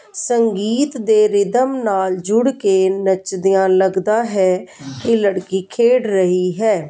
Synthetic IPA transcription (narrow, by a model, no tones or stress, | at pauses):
səŋɡiːt̪d̪eːɾɪd̪əmnaːld͡ʒʊɽkeːnət͡ʃd̪ɪjãːləɡd̪aːɦɛːkɪləɽkiːkʰeːɽɾəɦiːɦɛː